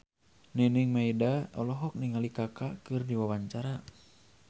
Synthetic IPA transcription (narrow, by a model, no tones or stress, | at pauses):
nɛniŋmaidaɔlɔɦɔk̚niŋalikakakɨrdiwawaɲt͡ʃaɾa